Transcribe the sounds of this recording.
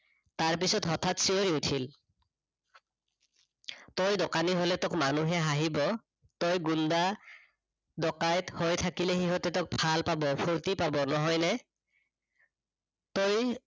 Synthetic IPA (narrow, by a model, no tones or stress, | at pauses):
taɹp̬isɔtɦɔtʰatsioɹiutʰil | tojdɔkaniɦolɛtɔkmanuɦɛɦaɦibɔ | tojɡunda | dɔkajthojtʰakilɛɦiɦɔtɛtɔk̚bʰʱalpabɔpʰoɹtipabɔnɔɦɔjnɛ | toj